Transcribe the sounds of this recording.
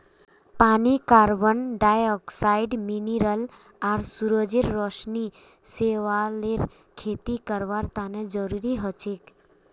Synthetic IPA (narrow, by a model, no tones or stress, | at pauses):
panikaɾbənɖajɔksaiɖminiɾəl | aɾsuɾəd͡ʒiɾːɔʃni | seʋaleɾ | kʰet̪ikəɾʋaɾt̪aned͡ʒəɾuɾiɦət͡ʃik